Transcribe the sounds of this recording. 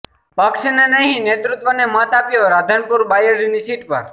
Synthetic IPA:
paksinenəɦĩnet̪ɾut̪ʋənemãt̪apjoɾad̪ʱənpuɾbajəɾinisiʈpə̰ɾ

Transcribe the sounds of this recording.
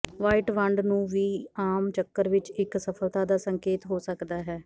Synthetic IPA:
ʋaːiʈʋəɳɖnũːʋiːaːmt͡ʃəkːəɾʋɪt͡ʃɪksəpʰəlt̪aːd̪aːsəŋkeːt̪ɦoːsəkd̪aːɦɛː

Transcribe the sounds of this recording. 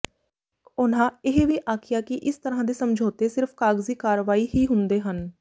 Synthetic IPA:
kʊnãːɪɦʋiːʔaːkʰɪjaːkɪʔɪst̪əɾãːd̪eːsəmd͡ʒʱoːt̪eːsɪɾfʰkaːɡziːkaːɾəʋaːiːɦiːɦʊ̃nd̪eːɦən

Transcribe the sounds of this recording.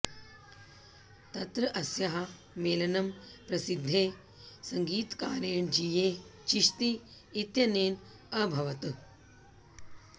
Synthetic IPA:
t̪ɐt̪ɾɐʔɐsjɐɦa | meːlɐnɐmpɾɐsid̪ʱːeː | sɐŋɡiːt̪kaːɾeːɳd͡ʑiːjet͡ɕiʂt̪iː | t̪jɐneːn | ɐbʱɐʋɐt̪

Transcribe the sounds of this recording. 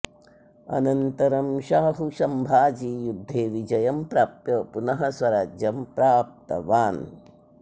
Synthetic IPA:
ɐ̰nɐnt̪ɐɾɐmʃaːɦuʃɐmbʱaːd͡ʒiːjud̪ʱːeːʋid͡ʒɐjɐmpɾaːpjɐpunɐɦɐsʋɐɾaːd͡ʒjɐmpɾaːp̚t̪ɐ̰ʋaːn

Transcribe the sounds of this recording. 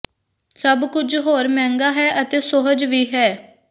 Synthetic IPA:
səbkʊd͡ʒɦoːɾmɛ̃ːŋɡaːɦɛːʔət̪eːsoɦəd͡ʒʋiːɦɛː

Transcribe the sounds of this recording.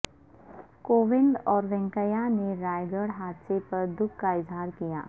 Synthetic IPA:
koːʋɪ̃ɳɖɔːɾʋɛ̃ŋkəjaneɾaːjɡəɽɦaːd̪sepɐɾd̪ʊkːkaɪzɦaːɾkija̰ː

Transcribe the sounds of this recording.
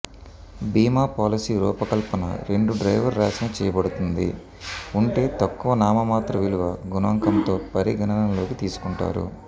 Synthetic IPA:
biːmaːpaːlisiːɾuːpɐkɐlpɐnɐ̰ɾeɳɖuɖɾɐjʋɐɾːaːsɐnɐt͡ʃɛːjɐbɐɽut̪und̪ḭ | uɳʈe̞ːt̪ɐkːuʋɐnaːmɐmaːt̪ɾɐʋiluʋɐɡunɐʋɐŋkɐmt̪o̞ːpɐɾiɡʱɐnɐnɐmlo̞ːkit̪iːsu̥kuɳʈa̰ːɾṵ

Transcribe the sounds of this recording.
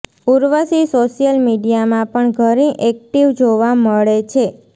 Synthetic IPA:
uɾʋəsisoʃijəlmiɖijamãpəɳɡʱəɾĩʔɛk̚ʈiʋd͡ʒoʋaməɭet͡ʃʰe

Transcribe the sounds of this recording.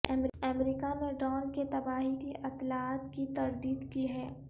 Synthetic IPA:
ɛmɛmɾikaneɖɔːnket̪ɐbaːɦikiʔɐt̪laːt̪kit̪ɐɾd̪iːd̪kiɦɛː

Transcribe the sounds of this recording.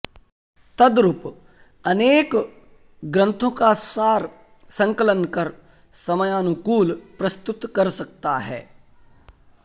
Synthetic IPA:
t̪ɐd̪ɾʊp | ɐneːk | ɡɾə̃nt̪ʰõkaaːɾ | sɐ̃ŋkələnkɐɾ | sɐməjaːnʊkuːlpɾɐst̪ʊt̪kɐɾsɐk̚t̪aɦɛ̰ː

